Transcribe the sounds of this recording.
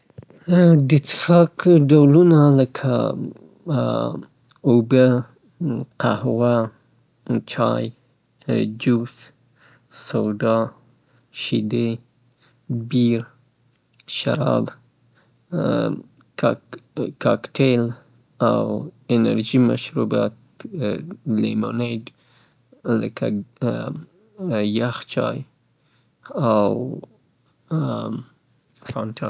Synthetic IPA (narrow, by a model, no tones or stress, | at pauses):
d̪ət͡səxɑkɖawlunaləkʰa̰ | obə | qa̰hwa | t͡ʃɑ̰j | d͡ʒus | sawd̪ɑ | ʃid̪e | biɾ | ʃa̰ɾɑ̰b | k | kʰɑkʈʰel | awɪnaɾʒimaʃɾuba | lemo̰neɖ | ləkʰa | jaxt͡ʃɑ̰j | aw | faɳʈʰa